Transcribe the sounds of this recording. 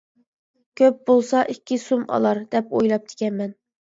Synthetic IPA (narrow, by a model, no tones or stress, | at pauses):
kʲʰøp̚bolˠsɑʔikʲʰːisumɑ̰lˠɑɾd̪̥ɛpojlˠɑp̚d̪̥ʰɪ̥kʲɛnmɛn